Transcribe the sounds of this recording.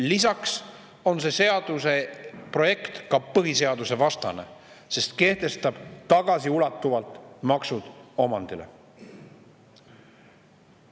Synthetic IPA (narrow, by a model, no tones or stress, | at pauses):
lisɑks | o̞nse̞se̞ɑd̪̥use̞pro̞je̞kt̪kɑpɤɦise̞ɑd̪use̞vɑst̪ɑne̞̰ | se̞st̪ke̞ht̪e̞st̪ɑb̥t̪ɑɡ̥ɑsiulɑt̪ːˑuvɑlt̪ːˑmɑksud̪̥o̞mɑnd̪̥ile̞̰